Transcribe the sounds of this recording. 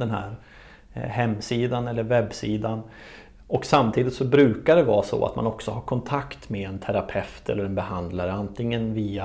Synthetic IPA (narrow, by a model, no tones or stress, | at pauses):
d̪ɛnhæ̰ːɾ | ɦɛmːsiːd̪anɛlːəɾvɛbːsiːd̪an | ʔɔksamt̪ʰiːd̪ɪt̪sɔbɾʉ̟ːkaɖɛvɑːsɔ̰a̰t̪manɔksɔɦaɾkʰɔnt̪ʰakt̪meɛnt̪ʰæɾapʰɛft̪ɛ̰lːəɾɛnbɛɦand̪laɾəant̪ɪŋːənviːa